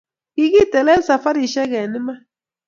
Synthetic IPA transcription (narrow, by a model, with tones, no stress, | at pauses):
ki˦ki˦˨tɛ˨lɛ˦sa˨fa˦ɾi˨ʃɛ˦ɣɛ˨ni˦ma˦